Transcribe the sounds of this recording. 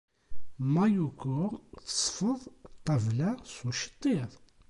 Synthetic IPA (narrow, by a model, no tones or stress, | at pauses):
mæjukʊɾθsˤfəðˤt̪ˤːɑvlæsuʃə̥t̪ˤːiðˤ